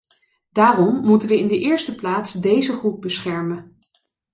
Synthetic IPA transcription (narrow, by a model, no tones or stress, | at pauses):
daːrɔmːutənʋəɪndəʔɪːɹstəplaːtsdejzəχrub̚bəsχɛɹmə